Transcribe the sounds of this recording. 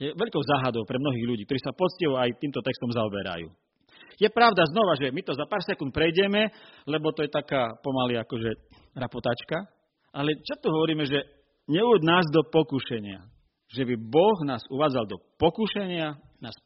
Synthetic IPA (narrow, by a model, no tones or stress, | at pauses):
jɛʋɛʎkɔʊzaːɦad̪ɔʊpɾɛmnɔɦiːɣʎuɟikt̪ɔɾiːsapɔt͡sciʋɔajt̪iːmt̪ɔt̪ɛkst̪ɔmzaɔbɛɾa̰jṵː | jɛpɾaʊd̪aznɔʋaʒɛmit̪ɔzapaːɾsɛkunt̪̚pɾɛjɟɛmɛlɛbɔt̪ɔjɛt̪akaːpɔmaliakɔʒɛ | ɾapɔt̪aːt͡ʃka | ʔalɛt͡ʃast̪ɔɦɔʋɔɾiːmɛʒɛ | ɲɛuɟnaːzd̪ɔpɔkuʃɛɲɪa̰ | ʒɛbibɔɣnaːzuʋaːd͡zald̪ɔpɔkuʃɛɲɪa | naːs